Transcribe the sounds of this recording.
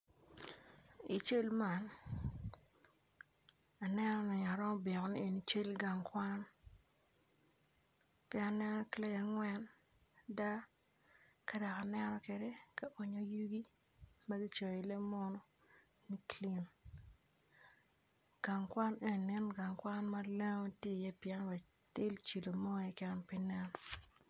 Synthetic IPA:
i˨t͡ʃe˦lma˨n | a˨nɛ˦nɔ˦nɛ˨ɲa˨ɾɔ˦mɔ˦be˨ŋɔ˨ni˨e˨ni˨t͡ʃe˦lɡa˨ŋkwa˦n | pɛ˦a˨nɛ˦nɔ˦klɛ˦ja˨ŋwɛ˦n | da˦ | ka˦da˨ka˨nɛ˦nɔ˦ke˨de˦ka˨ʔo˨ɲo˨ju˦ɡi˦ | ma˦ɡi˦t͡ʃo˨ji˨le˦mɔ˦nɔ˦ | ni˦kli˦n | ɡ̥a˨ŋkwa˦ne˦n˨nɪ˦nɡa˨ŋkwa˦nma˦le˦ŋo˦tje˦˨jɛ˦pjɛ˦nwɛ˨ | tɪ˦lt͡ʃi˨lo˨mɔ˦ɛ˦kɛ˦npi˦nɛ˦n

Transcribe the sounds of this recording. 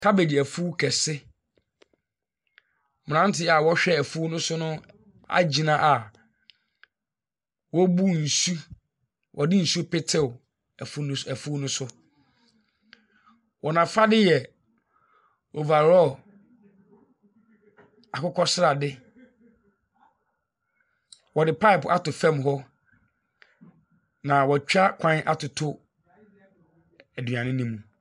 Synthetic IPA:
tʰa˦be˨di˨æ˨fu˦kʰɛ˨sɪ˦ | m̃˨ã˦n̩˦tʰɪ˦a˨wɔ˦ɕᶣɛ˦æ˨fu˦nʊ̃˦sʊ˦nʊ̃˦ | a̰˦d͡ʑi˨nã˦ʔa˨ | wɔ˦bu˦n̩˨su˦ | wʔɔ˨dɪ˦n̩˨su˦pe˦tʰɪ˨ | fsæ˨fu˦nʊ̃˦sʊ˦ | wʔɔ˨nã˨fa˦dɪ˦jɛ˨ | o˨va˨ɾɔ˦ | a˨kʊ˦kʰɔ˦sɪ˦ɾa˨dɪ˦ | wɔ˨dɪ˨pʰa˦ɪ˨pa˦tʊ˨fɛ̃˦˨mɦɔ˦ | nã˨wɔ˨t͡ɕᶣa˦kʷʰã˦nʔa˦tʰʊ˨tʰʊ˦ | æ˨dɥã˨nɪ̃˦nĩ˦mũ˨

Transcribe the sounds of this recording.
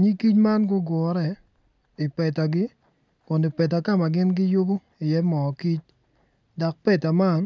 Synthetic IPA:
ɲi˦ki˦t͡ʃma˦nɡʊ˦ɡɔ˨˦ɾɛ˨ | ɪ˨pɛ˨ta˨ɡɪ˦ | kʊ˨ndo˨pɛ˨t̬a˨ka˦ma˨ɡɪ˦nɡɪ˦jʊ˦bo˦ | ɪ˨jɛ˦mɔ˨ki˦t͡ʃ̚ | da˨k̚pɛ˦ta˨ma˦˨n

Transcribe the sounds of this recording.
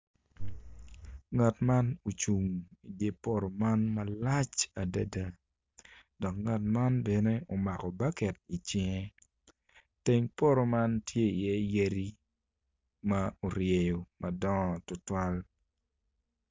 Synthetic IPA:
ŋa˨tma˦no˨t͡ʃu˨ŋi˨dje˦po˦ɾo˨ma˦nmɐ˦la˦t͡ʃa˨da˦da˨ | dɔ˨kŋa˨tma˦nbɛ˨ne˦o˨ma˨kɔ˨ba˦kɛ˨t̚i˨t͡ʃɪ˦ŋe˦ | te˦ŋpo˦ɾo˨ma˦ntʰje˦i˨jɛ˦je˦ɾi˦ | ma˦o˨ɾje˨jo˨mɐ˨dɔ˦ɔ˨tʊ˨twa˦l

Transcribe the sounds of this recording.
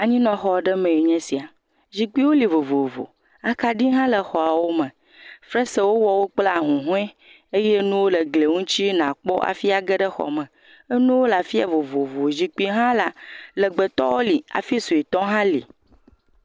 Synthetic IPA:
a˨ɲĩ˦nɔ̃˨xɔ˨ɖə˦mɛ̃˨jo˨ɲɛ̃˦si˨a˨ | zi˨k͡pi˦wo˦li˨vo˨vo˨vo̰˨ | a˨ka˨ɖi˦ɦã˦lə˨xɔ˨a˨wo˦mə̃˨ | fɾɛ˦sə˦wo˦wɔ˨wo˦k͡pla˨ɦũ˨ɦũ˦ɛ̃˦ | e˦je˦nũ˦wo˦lə˨ɡle˨ŋũ˦t͡ɕi˦nã˨k͡pɔ˦ʔa̰˨fi˦a˨ɡə˦ɖə˦xɔ̰˨mə̃˨ | ə˦nũ˦wo˦la˨fi˦a̰˨vo˨vo˨vo˨zi˨k͡pi˦ɦã˦la˨lə˨ɡ͡bə˨t̪ɔ̰˦wo˦li˨a̰˨fi˦su˨i˨t̪ɔ˦ɦã˦lḭ˨

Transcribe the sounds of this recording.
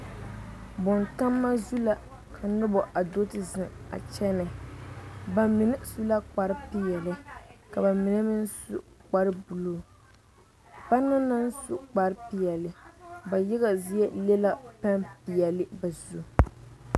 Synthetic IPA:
bɔ˨nta˦mːa˦zu˦la˨ | kʰa˨nɨ˦bɔ˨ʔa˨do˦tɨ˦zɪ˨ŋa̰˨t͡ʃɛ˦nɨ˨ | ba˨mɪ˨nɪ˦su˦la˦k͡pa˨ɾɪ˦pi˦jɛ˨lɨ˦ka˨ba˨mɪ˨nɨ˦mɪ˦n˦sṵ˨k͡pa˦ɾɨ˦bu˨loː˦˨ | ba˦nɨ˦na˦n˦su˨k͡pa˨ɾɪ˦pi˨jɛ˨lɨ˨ba˨jɛ˦ɣa˨zi˦jɛ˦lɛ˦la˦pa˦npi˨jɛ˨lɪ˦ba˨zu˦

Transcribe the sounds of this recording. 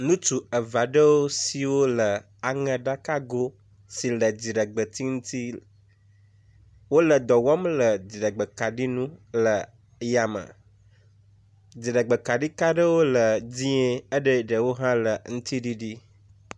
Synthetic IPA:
nũ˦t͡ʃu˨ə˨va˨ɖə˦wo˦si˨wo˦lə˨ | a˨ŋə̃˨ɖa˦ka˦ɡo˦ | si˨lə˨d͡ʑi˨ɖə˨ɡ͡bə˨t̪ʰi˦ŋũ˦t̪i˦ | wo˦lə˨d̪ɔ˨wɔ˦mlə˨d͡ʑi˨ɖə˨ɡ͡bə˨ka˨ɖi˦nũ˦lə˨ | ja˨mə̰˨ | d͡ʑi˨ɖə˨ɡ͡bə˨ka˨ɖi˦ka˦ɖə˦wo˦lə˨d͡ʑĩ˦e˦ə˦ɖə˦ɖə˨wo˦ɦã˦lə˨ŋũ˦t̪ʰi˦ɖi˦ɖi˦

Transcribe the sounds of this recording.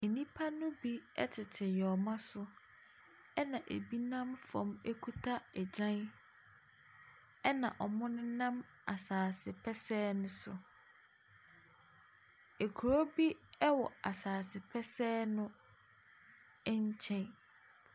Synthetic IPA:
e˨nĩ˦pʰa˦nʊ̃˦bi˦ɛ̰˦tʰɪ˨tʰɪ˨jɔ˨mã˦sʊ˦ | ɛ˦nã˨ʔḛ˨bi˦nã˦mfɔ̰̃˨me˦kʰu˦tʰa˦ɛ˨d͡ʑã˦n | ɛ˦nã̰˨ʔɔ˨mʊ̃˦nʊ̃˦nã˦m | a˨saː˨sɪ˨pʰɛ˦sɛː˦nʊ̃˦sʊ̰˨ | e˨kʰu˨ɾo˦bi˦ɛ˦wɔ̰˨a˨saː˨sɪ˨pʰɛ˦sɛː˦nʊ̃˦ | ɛ˦ɲ˦t͡ɕʰɛ̃˦n

